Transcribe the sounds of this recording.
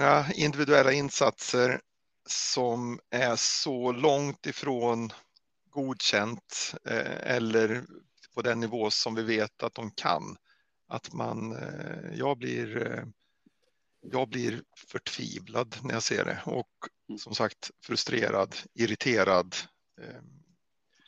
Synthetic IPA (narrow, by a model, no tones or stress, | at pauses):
ŋːaɪnd̪ɪvɪd̪ɵɛlːaɪnːsat̪səɾ | sɔmæʂɔlɔŋt̪ɪfɾoːn | ɡuːd̪ɕɛnt̪ | ɛ̰lːəɾ | pʰɔd̪ɛnːɪvoːsɔmvɪveːt̪ʰat̪̚d̪ɔmkʰa̰n | at̪ma̰njɑːɡblɪ̰ɾ | jɑːɡ̚blɪɾfœʈʰv̥ḭːvlad̪næɾjasḛːɖɛ̰ɔ̰k | sɔmsakt̪fɾɵst̪ɾeːɾʔad̪ɪɾɪt̪ʰeːɾad̪